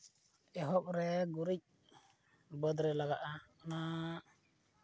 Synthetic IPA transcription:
ɛɦɔp̚ɾɛɡuɾic̚ | bəd̪ɾɛlaɡaʔaɔna

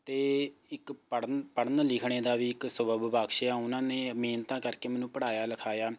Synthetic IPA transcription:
t̪eːɪkpəɽpəɽənlɪkʰɳeːd̪aːʋiːɪksəbəbbaːkʃejaːʊnãːneːmeːnt̪ãːkəɾkeːmɛːnũːpəɽaːjaːləkʰaːjaː

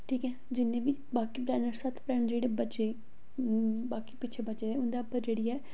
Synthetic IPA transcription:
ʈʰiːkɦɛːd͡ʒɪnːẽːbiːbaːkiːpɾɛːnəɾsət̪ʰpɾɛːnd͡ʒeːɽeːbət͡ʃeː | baːkiːpɪːt͡ʃʰeːbətːt͡ʃeːd̪eːʊ̃nd̪aːəpəɾd͡ʒeːɽiːɛː

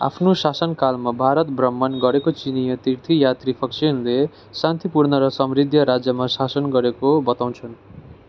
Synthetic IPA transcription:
a̰pʰnosasʌnkalmabʱaɾʌt̪̚brʌmːʌnɡʌɾekot͡sinijʌt̪irt̪ʰijat̪ripʰʌksinle | sant̪ipurnʌɾʌsʌmrid̪ʱjʌɾad͡zjʌmasasʌnɡʌɾekobʌt̪aw̃nt͡sʰʌn

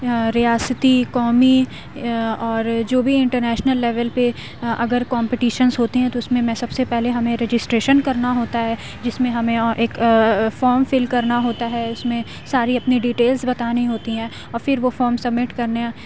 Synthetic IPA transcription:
ɾijaːsət̪ikɔːmi | ɔːɾd͡ʒoːbʱiɪ̃ɳʈəɾnɛːʃnəlːɛːʋəlpe | ɐ̰ɡəɾkɔ̃ːmpɪʈiːʃənzɦoːt̪eɦɛ̃t̪oʊsmẽmɛ̃sɐbsepɛɦleɦɐmẽɾed͡ʒɪsʈɾeːʃənkɐɾnaɦoːt̪aɦɛː | d͡ʒɪsmẽɦɐmẽʔeːkfɔːɾmfɪlkɐɾnaɦoːt̪aɦɛʊsmẽ | saːɾiɐpniɖiːʈeːlzbɐt̪aːneiɦoːt̪iɦɛ̃ː | ɔːɾfɪɾʋofɔːɾmsɐbːɪʈkɐɾneã

